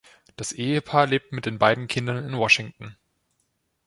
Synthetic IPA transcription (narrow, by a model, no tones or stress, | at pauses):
d̥asʔeːəpʰaːɐleːp̚tmɪt̚d̥eːnbaɪdn̩kʰɪndɐnɪnwɔʃɪŋtn̩